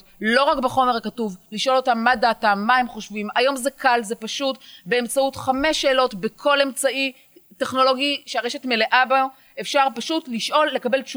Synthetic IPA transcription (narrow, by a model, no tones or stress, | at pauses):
lo̞ʁakbeχo̞meʁakatuvliʃʔo̞lo̞tamːadaːtamaemχo̞ʃvimajo̞mzekʰalze̞paʃutbe̞emt͡sautχame̞ʃe̞ːlo̞tbekʰo̞le̞mt͡sai | te̞χno̞lo̞ɡiʃeaʁe̞ʃe̞tme̞leʔaba | efʃaʁpaʃutliʃʔo̞lːe̞kabe̞ltʃu